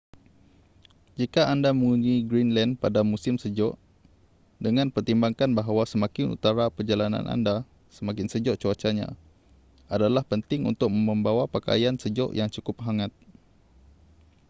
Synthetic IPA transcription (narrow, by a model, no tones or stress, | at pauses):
d͡ʒikaʔandaməŋuɲiɡɾinlanpadamusɪmsəd͡ʒɔʔ | dəŋãnpərt̪imbaŋkanbaɦawasəmãkɪnṵt̪aɾapərd͡ʒalanã̰nʔa̰nda | səmãkɪnsəd͡ʒɔʔt͡ʃuat͡ʃaɲã̰ | adalahpənt̪ɪŋṵnt̪ʊk̚məmə̃mbawapaka̰jansəd͡ʒɔ̰ʔjaŋt͡ʃukʊp̚ɦaŋat̪̚